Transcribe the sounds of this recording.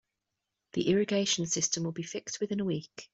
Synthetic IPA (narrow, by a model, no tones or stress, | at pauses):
ðḭʔɪɹəɡeɪʃə̃nsɪstə̃mwɪlˠbifɪkstwɪðɪ̃nəwiˑk